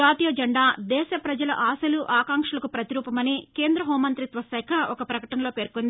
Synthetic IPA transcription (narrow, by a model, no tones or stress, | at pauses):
aːt̪ijɐd͡ʒɐɳɖaːd̪ɛːʃɐpɾɐd͡ʒɐlɐ̰ʔaːsɐluʔaːkaːŋkʂɐlɐkupɾɐt̪iɾuːpɐmɐniːke̞ːnd̪ɾɐɦoːmɐnt̪ɾit̪ʋɐsɛkʰɐʔɔkɐpɾɐkɐʈɐnɐlo̞ːpe̞ːɾkond̪i